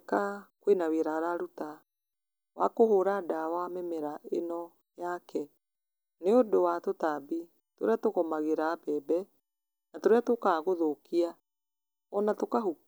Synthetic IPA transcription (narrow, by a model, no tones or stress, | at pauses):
kakwenaweɾaɾaɾuta | wa̰koɦoɾadawamɛmɛɾaenɔ | jakʰɛ | neodowatotabi | to̰ɾeatoɣɔmaɣeɾaːbɛbɛ | natoɾeatokaːɣoðokia | ɔnatokaɦu